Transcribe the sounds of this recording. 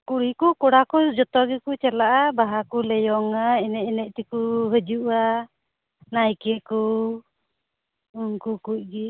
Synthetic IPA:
kuɽikukɔɽakɔd͡ʒɔt̪ɔɡɛkut͡ʃalaʔabaɦakulɛjɔŋaɛnɛʔɛnɛc̚ˀt̪ɛkuɦəd͡ʒuʔa | najkɛku | uŋkukuc̚ɡɛ

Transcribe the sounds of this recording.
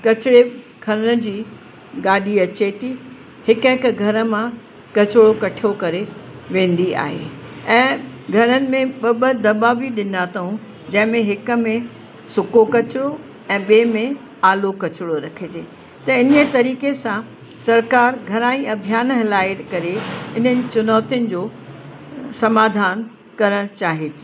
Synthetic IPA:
kɐt͡ɕɪɽe | kʰɐɾnə̆d͡ʑiː | ɡaːɗiɐt͡ɕet̪i | hɪkɦɪkɡʱɐɾə̆mã | kɐt͡ɕɪɽokɐʈʰijokɐɾeʋẽːn̆d̪ia̰ːɦḛːɛ̃ːɡʱɐɾənɪ̆mẽɓɐɓəd̪ɐbabiɗɪnat̪ʰɐɦũ | d͡ʑɐ̃ɦɪ̃mẽɦɪkə̆mẽ | sʊkokɐt͡ɕɪɽo | ɛ̃ːɓeːmẽ | aːlokɐt͡ɕɽoɾɐkʰet̪eː | t̪ɐɪnət̪ɐɾiːkesã | sɐɾkaːɾɡʱɐɾaːĩɐbʱijaːnɦɪlaːjt̪kɐɾeɪnənɪ̆t͡ɕʊnɔːt̪ijənɪ̆d͡ʑoː | sɐmaːd̪ʱaːn | kɐɾəɽ̃t͡ɕaːɦet̪ʰː

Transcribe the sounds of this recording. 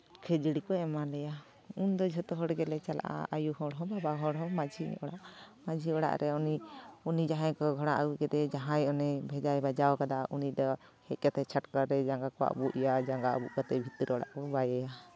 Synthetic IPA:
kʰɛd͡ʒiɽikɔɛmalɛja | und̪ɔd͡ʒʱɔt̪ɔɦɔɽɡɛlɛt͡ʃalaʔa̰a̰juhɔɽɦɔ̃babaɦɔɽɦɔ̃mad͡ʒʱḭɔɽaʔmad͡ʒʱiɔɽa̰ʔɾʔɛɔniunid͡ʒaɦãjkɔɡʱɔɽaʔaukɛd̪ɛd͡ʒaɦãjɔnɛbʱɛd͡ʒajbad͡ʒawkad̪aʔunid̪ɔhɛc̪̚ˀkat̪ɛt͡ʃʰaʈkaɾɛd͡ʒaŋɡakɔwa̰ʔbuʔjad͡ʒaŋɡabuʔkat̪ɛbʱit̪iɾɔɽa̰ʔkɔbajɛja

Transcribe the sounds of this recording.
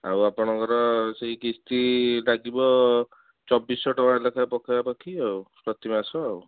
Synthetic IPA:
a̰wapɔɽ̃ɔ̃ŋkɔɾɔseikist̪iɖaɡibɔ | t͡ʃɔbːisɔʈɔwalekʰapɔkʰabapɔkʰiawpɾɔt̪imasɔaw

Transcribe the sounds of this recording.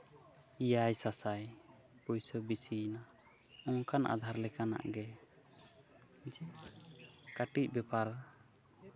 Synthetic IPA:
ijajsasaj | pujsɔbisina | ɔ̃ŋkanʔa̰d̪ʱaɾlɛkana̰ʔɡɛ | d͡ʒɛ | kaʈic̚bɛpaɾ

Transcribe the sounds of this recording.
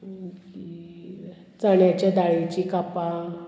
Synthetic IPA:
ki | t͡saɳjat͡ɕjad̪aɭet͡ɕikapa

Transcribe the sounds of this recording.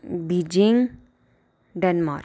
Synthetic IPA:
bid͡ʒiŋ | ɖɛnmaːɾ

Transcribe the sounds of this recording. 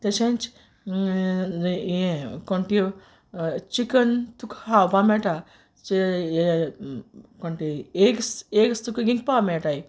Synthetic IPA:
t̪et͡ʃent͡ʃ | ẽkoɳʈi | t͡ʃikɐnt̪ukhawpaːmeʈa | t͡ʃi | koɳʈieksekst̪ukɡĩŋk̚pameʈaji

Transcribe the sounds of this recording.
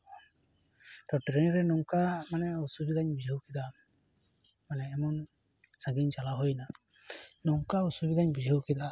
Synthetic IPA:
t̪ɔʈɾenɾɛnɔŋkamanɛusubid̪aɲbid͡ʒʱəwkid̪a | manɛːmɔn | saɡiɲt͡ʃalaɦojna | nɔŋkausubid̪ʱaɲbid͡ʒʱəwkid̪aʔ

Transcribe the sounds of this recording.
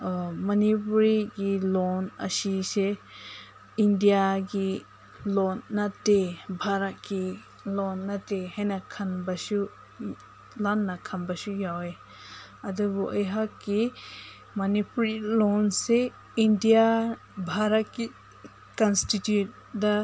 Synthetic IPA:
mɐnipuɾiɡilonɐ̰sise | indijaɡi | lonːatebʱaɾɐt̚ki | lonːɐtehenakʰɐnbɐsu | lanːɐkʰɐnbɐsujawe | ɐdɐbuʔɐjɦakːi | mɐnipuɾilonse | indija | bʱaɾɐt̚ki | kɐnstitjut̚ | dɐ

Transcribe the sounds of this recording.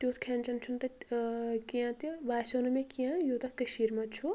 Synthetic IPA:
t̪joːt̪kʰent͡ʃɐnt͡ʃʰunt̪ɐ | kijãt̪ibaːsoːnumẽkijãjoːt̪ɐkːəʃiːɾmãt͡ʃʰu

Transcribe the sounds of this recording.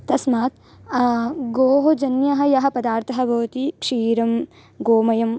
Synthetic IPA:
t̪ɐsmaːt̪ | ɡoːɦod͡ʒɐnjɐɦɐ̆jɐɦɐ̆pɐd̪aːɾt̪ʰɐɦɐbʱɐʋɐt̪ikʂiːɾɐm | ɡoːmɐjɐm

